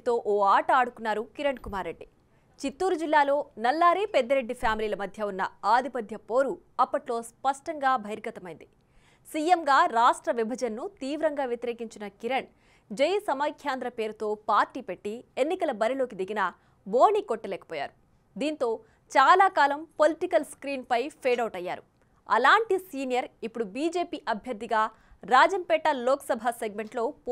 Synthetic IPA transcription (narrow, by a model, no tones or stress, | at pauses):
t̪o̞ːʔoːaːʈɐaːɽukunːaːɾukiɾɐɳkumaːɾːeɖːi | t͡ʃit̪ːuːɾud͡ʒilːaːlo̞ːnɐlːaːɾeːpɛd̪ːɐɾe̞ɖːipʰjaːmiliːlɐmɐd̪ʱjɐunːɐaːd̪ʱipɐd̪ʱjɐpoːɾu | ɐpːɐʈlo̞ːspɐʂʈɐŋɡaːbʱɐjɾɡɐt̪ɐmɐjind̪i | siːjemɡaːɾaːʂʈɾɐʋibʱɐd͡ʒɐnːut̪iːʋɾɐŋɡaːʋjet̪iɾe̞ːkiɲt͡ʃinɐkiɾɐɳ | d͡ʒejsɐmɐkʰjaːnd̪ɾɐpe̞ːɾut̪o̞ːpaːɾʈiːpe̞ʈːienːikɐlɐbɐɾilo̞ːkid̪iɡinɐ | bo̞ːnikoʈːɐlɛːkɐ̥pɔːja̰ːɾu | d̪iːnt̪o̞ː | t͡ʃaːlaːkaːlɐmpo̞liʈikɐlskɾiːnpɐjpʰeːɖɐwʈɐjːa̰ːɾṵ | ɐ̰laːɳʈisiːnijɐɾipːuɽubiːd͡ʒe̞ːpiːʔɐbʱjɐɾd̪ːiɡaː | ɾaːd͡ʒɐmpɛːʈɐloːkɐ̥sɐbʱaseɡme̞ɳʈlo̞ː